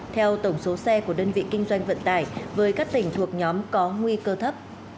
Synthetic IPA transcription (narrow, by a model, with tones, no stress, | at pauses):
t̪ʰɛ˧wt̪ə˧˩wŋ͡mso˨˦sɛ˧ku˧˩əɗəː˧nvḭ˧˨kï˧ŋ̟zwa˧jŋ̟və̰˧˨nt̪a̰ː˧˩jvəː˨˦jkaː˦˥k̚t̪ï˧˩ŋ̟t̪ʰu˨˩ək̚ɲɔ˨˦mkɔ˨˦ŋwi˧kəː˧t̪ʰə˦˥p̚